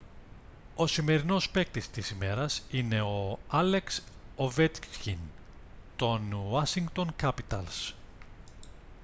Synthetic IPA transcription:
o̞sime̞ɾino̞spe̞k̚t̪ist̪isime̞ɾɐsine̞o̞ɐle̞ksovet̪çin | t̪o̞nwɐsiŋɡt̪o̞ŋkɐpit̪ɐls

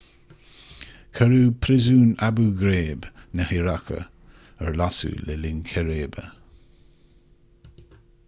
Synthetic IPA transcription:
kʰəɾupʰɾɪzuːnabuːɡɾeːbnəhiɾakʰə̰ | əɹlasṵlɛlɪnkʰɛɾeːbə

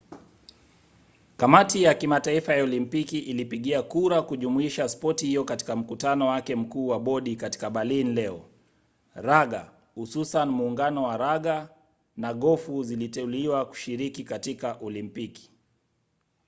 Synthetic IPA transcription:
kamatijakimataifajaɔlimpikiʔilipiɠiakuɾakuʄumuiʃaspɔtihijɔkati̥kam̩kutanɔwakɛm̩kuːwaɓɔɗikati̥kaɓalinlɛɔ | ɾaɠa | hususanmuːŋɡanɔwaɾaɠa | naɠɔfuzilitɛuliwaku̥ʃiɾikikatikaʔɔlimpiki̥

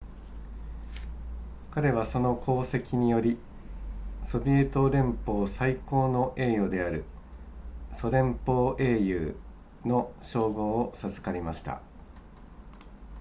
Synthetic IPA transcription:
kaɾe̞β̞aso̞no̞kʰo̞ːse̞kʲiɲ̟ijo̞ɾʲi | so̞bʲie̞ːt̪o̞ɾẽ̞mpo̞ːsaiko̞ːno̞ʔe̞ːjo̞d̪e̞aɾɯ̟̰ | so̞ɾẽ̞mpo̞ːʔe̞ːjɯː | no̞ɕo̞ːɡo̞ːsazɨ̥kaɾʲimaɕi̥t̪a̰

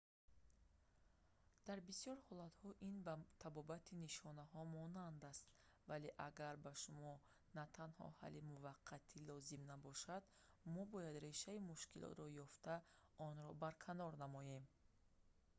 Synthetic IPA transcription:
d̪̥aɾbisjɔɾhɔlat̪hɔʔinbat̪ʰabɔbat̪ʰiniʃɔnaɦɔmɔnand̪ast̪ | vale̞ʔaɡaɾbaʃumɔ | nat̪ʰanhɔ̰ha̰limuvaqʰːat̪ʰilɔzimnabɔʃad̪ | mɔbɔjad̪ɾe̞ʃaimuʃkilɔ̰t̪ɾɔjɔft̪a | ɔnɾɔbaɾkʰanɔɾnamɔje̞m

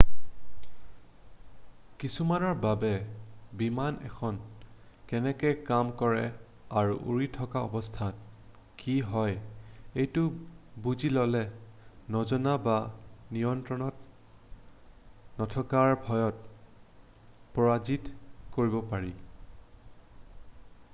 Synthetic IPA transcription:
kisumanɔɹbabɛbimanɛ̰kʰɔnkɛnɛkɛjkamkɔɹɛ | aɹṵʔṵɹitʰɔkaɔ̰bɔstʰan | kiɦɔjejtʊbuzilɔlɛnɔzɔnabanijɔntɹɔnɔt | nɔtʰɔkaɹbʱɔjɔt̚ | pɔɹazitkoɹibɔpaɹi

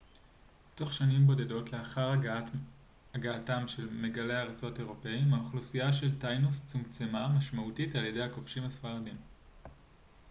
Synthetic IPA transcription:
to̞χʃanimbo̞de̞do̞tle̞aχaʁ | aɡaːtamʃe̞lme̞ɡale̞aʁat͡so̞te̞ʁo̞pe̞imaoχlusijaʃe̞ltajnust͡sumt͡semamaʃmautitalje̞de̞jhakofʃimasfaʁadim

